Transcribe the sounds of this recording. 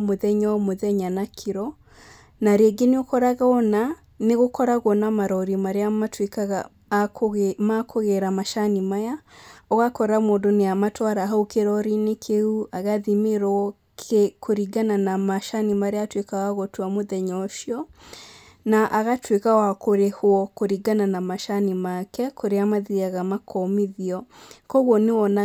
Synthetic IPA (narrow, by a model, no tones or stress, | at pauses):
moðɛɲɔmoðɛɲanakʰeɾɔ | naɾeɡeneokɔɾaɣaɔna | neɣokɔɾaɣɔnamaɾɔɾimaɾeamatwekaɣa | makʰoɣɛɾamaʃanimajaɔɣakɔɾamoːndoneamatwaɾaɦaokeɾɔɾinekʰeuaɣaðimeɾɔ | kʰekʰoɾiɡananamaʃanimaɾeaːtwekaɣaɣɔtwamoðɛɲɔʃjɔ | naʔaɣatwekawakoɾehwɔkoɾiɡananamaʃanimakɛkʰoɾeamaðiaɣamakʰɔmiðiɔkɔɣwɔnewɔna